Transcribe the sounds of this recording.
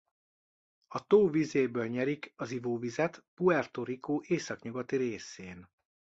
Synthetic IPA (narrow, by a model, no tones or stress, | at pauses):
ɒt̪oːvizeːbøːlɲɛɾikɒzivoːvizɛt̪puɛrt̪oɾikoːʔeːsɒkɲuɡɒt̪iɾeːseːn